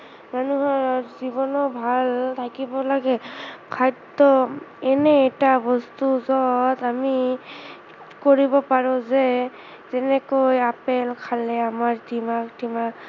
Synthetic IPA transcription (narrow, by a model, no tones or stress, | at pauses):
manuɦɔɹɔɹzibɔnɔbʱalt̪ʰakibɔlaɡɛkʰajtː | ɔɛnɛːtabɔst̪uzɔtami | koɹibɔpaɹɔ̃zɛ | zɛnɛkojapɛlkʰalɛamaɹtʰimaktima